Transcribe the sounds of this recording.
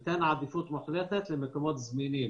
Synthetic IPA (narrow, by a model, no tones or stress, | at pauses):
t̪æːnʕaːd̪ifuːt̪ˤmaxlæːt̪æt̪lɪmɪkomɑːd̪zmiːniː